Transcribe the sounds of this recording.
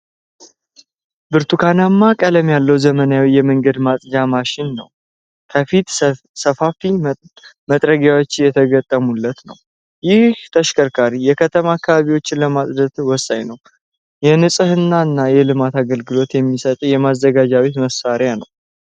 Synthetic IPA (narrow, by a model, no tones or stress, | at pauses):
bɨɾt̪ʰukʰanamːakʼələmjalːəwzəmənjawijɛməŋɡəd̪masʼd͡ʒamaʃɪnːə̰w | kʰəfit̪ | səfafi | mət̪ʼɾəɡjawo̞t͡ʃːɪjɛt̪ʰəɡət̪ʼːəmulːət̪nə̰w | jɪht̪ʰəʃkʰʼəɾkʰaɾijɛkʰət̪ʰəmaːkːaβaβiwo̞t͡ʃːɪnləmasʼd̪ət̪wɔsʼa̰jnəw | jɛnɨsʼɨhɨnːaɨnːajɛlɨmat̪aɡəlɡɨlo̞t̪jɛmːisət̪ʼjɛmazːəɡad͡ʒawit̪məsaɾjanə̰w